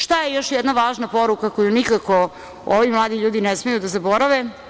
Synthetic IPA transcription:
ʃt̪ajejo̞ʃjɛd̪naʋaːʒnapo̞ɾukako̞junikako | oʋimlˠaːd̪iʎuːd̪inesmejud̪azabo̞ɾaʋe

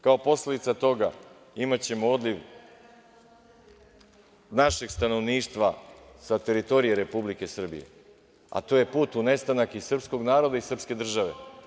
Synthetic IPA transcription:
kao̞po̞sle̞d̪it̪at̪o̞ɡa | imat͡ɕe̞mo̞od̪liʋ | naʃe̞ɡst̪ano̞ʋniːʃt̪ʋasat̪e̞ɾit̪o̞ɾijeɾe̞publike̞sr̩bḭje̞̰ | a̰t̪o̞je̞puːt̪une̞st̪anakisr̩psko̞ɡnaːɾo̞d̪aisr̩pske̞d̪r̩ʒaʋe̞̰

